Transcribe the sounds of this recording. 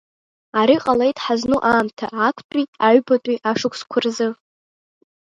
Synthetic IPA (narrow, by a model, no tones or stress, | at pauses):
aɾiqʼalejtʼħaznuʔaːmtʰaːkʷʰtʼitʼaɥbatʼiʔaʂɨkʷʰskʷʰʊrzɨ